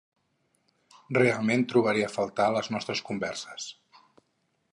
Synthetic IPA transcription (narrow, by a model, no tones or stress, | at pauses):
realˠment̪ɾuβ̞əɾiəfəlˠt̪aləznɔst̪ɾəskumbɛrsə̥s